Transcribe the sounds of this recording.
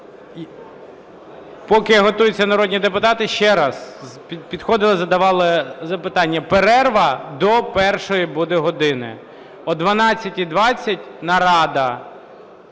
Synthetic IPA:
pɔkɪɦɔt̪ujʊt͡sʲːɐnɐɾɔdʲnʲid̪epʊt̪ɑt̪ɪʃt͡ʃɛɾɑzpʲpʲid̪xɔd̪ɪlˠɐzɐd̪ɐʋɑlˠɪzɐpɪt̪ɑnʲːɐpeɾɛrʋɐd̪ɔpɛrʃɔjibud̪ɪɦɔd̪ɪnɪ̰ | ɔd̪ʋɐnɑt͡sʲːɐtʲid̪ʋɑt͡sʲːɐtʲnɐɾɑd̪ɐ

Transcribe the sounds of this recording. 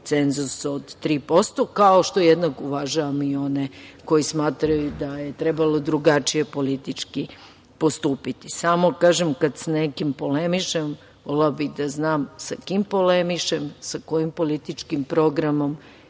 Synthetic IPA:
t̪se̞nzusod̪t̪ɾiːpo̞st̪okaoʃt̪o̞ejed̪nakuʋaʒaʋamio̞neko̞jismaːt̪ɾajud̪aje̞t̪ɾebalod̪ɾuɡat͡ʃije̞po̞lit̪it͡ʃki | po̞st̪uːpit̪isamokaːʒemkad̪sanekimpo̞lemiʃem | olabid̪aznaːmsakimpo̞lemiʃemsako̞jimpo̞lit̪it͡ʃkimpɾo̞ɡɾamo̞m

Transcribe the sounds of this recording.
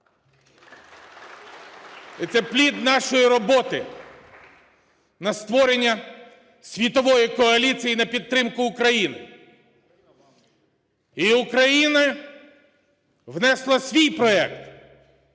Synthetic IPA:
ɛt̪sɛplʲid̪nɑʃɔjiɾɔbɔt̪ɪ | nɐst̪ʋɔɾenʲːɐ | sʲʋʲit̪ɔʋɔjikɔɐlʲit͡sʲijinɐpʲid̪̚t̪ːɾɪmkʊʊkɾɐjinɪ | iʊkɾɐjinɐ | ʋnɛslˠɐsʲʋʲijpɾɔɛ̰kt̪

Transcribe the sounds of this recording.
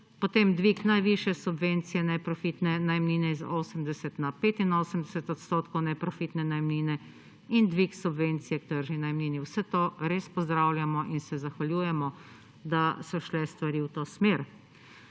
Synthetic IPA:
pɔt̪eːmd̪ʋiknajʋiʃjɛsubʋent̪sijɛnɛpɾɔfit̪nɛnajmniːnɛizoːsəmd̪ɛsɛt̪napeːt̪inoːsəmd̪ɛsɛt̪ɔt̪st̪oːt̪kɔwnɛpɾɔfit̪nɛnajmniːnɛ | ind̪ʋiksubʋent̪sijɛk̚t̪əɾʒinajmniːniwsɛt̪oːɾeːspɔzd̪ɾaːwljamɔʔinsɛzaxʋalʲjuːjɛmɔ | d̪asɔʃlɛst̪ʋaɾiwt̪oːsmeːɾ

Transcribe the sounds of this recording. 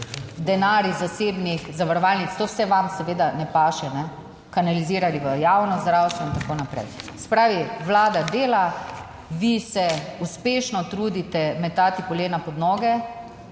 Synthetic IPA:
d̪ɛnaːɾjizaseːbnixzaʋaɾɔʋalnit̪st̪oːwsɛʋamsɛʋeːd̪anɛpaːʃɛnɛ | kanaliziːɾaliʋəjaːwnɔzd̪ɾawst̪ʋɔint̪akoːnapɾɛ̰jsɛ̥pɾaːʋiʋlaːd̪ad̪eːla | ʋisɛuspeːʃnɔt̪ɾuːd̪it̪ɛmɛt̪aːt̪ipɔleːnapɔd̪nɔːɡɛ

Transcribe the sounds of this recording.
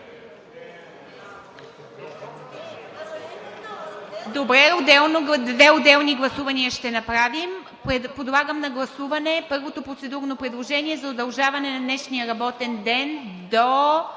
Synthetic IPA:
d̪obɾɛod̪ɛlˠnod̪vɛod̪ɛlˠniɡlˠɐsuvɐniəʃt̪ɛnɐpɾavim | pod̪lˠaɡəmnɐɡlˠɐsuvɐnɛpɤɾvot̪opɾot̪sɛd̪uɾnopɾɛd̪lˠoʒɛnʲiɛzɐod̪ɐlˠʒavɐnɛnɐd̪nɛʃnijəɾɐbɔt̪ɛnd̪ɛnd̪o

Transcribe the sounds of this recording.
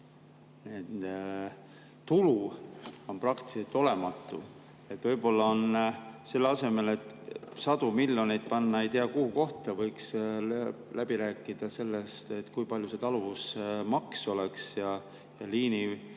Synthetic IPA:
ne | t̪uluo̞nprɑkt̪i̥set̪ːˑo̞le̞mɑt̪ːˑu | e̞t̪ːˑvɤ̞jbo̞lːɑonse̞lːeɑse̞me̞le̞t̪ːˑ | sɑd̪̥umilʲjo̞nijt̪̚pɑnːɑe̞jt̪iɑkuhuko̞ht̪ɑvɤjks | læb̥iɾæːkːˑid̪̥ɑse̞lːe̞st̪e̞t̪ːkujpɑlʲjuse̞t̪ɑluvusmɑkso̞le̞ksjɑ | jɑliːni

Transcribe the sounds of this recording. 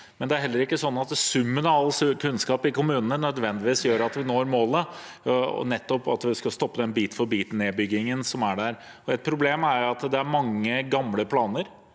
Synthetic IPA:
mɛnd̪ɛæɾhɛlːəɾɪkːəsɔnːɑt̪d̪sʉmːənɑɑlːskʰʉnskɑːpɪkʊmʉːnənənœd̪ʋɛnd̪ɪʋiːsjøːɾɑt̪ʋɪnoːɾmoːlə | ɔ̰nɛt̪ːɔpɑ̰t̪ʋɪskɑst̪ɔpːəd̪ɛnbiːt̪fɔɾbiːt̪neːbʏɡːɪŋənsɔmæɖæɾ | ɔɛt̪̚pʰɾʊbleːmæɾjɑt̪d̪ɛæɾmɑŋːəɡɑmləpʰlɑːnəɾ

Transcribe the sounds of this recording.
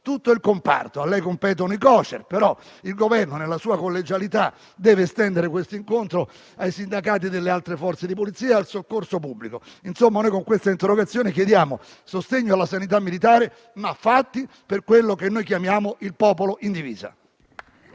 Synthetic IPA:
t̪ut̪ːoilkompa̰rt̪oalːɛjkompɛːt̪̬onoikɔːt͡ʃḛrpeɾɔilɡovɛrnonelːasuːakolːed͡ʒalit̪a | d̪ɛːvest̪ɛnd̪eɾekwest̪oiŋkont̪ɾo | ajsind̪akaːt̪̬id̪elːealt̪ɾefɔrt̪sed̪ipolit̪siːaalsokːorsopubːlikoinsomːanojkoŋkwest̪aint̪erːoɡat̪sːjoːnekjed̪jaːmo | sost̪eɲːoalːasanit̪̬amːilit̪aːɾe | mafːat̪ːi | perkwelːokenːojkjamjaːmoʔilpɔːpoloʔind̪ivḭːza̰

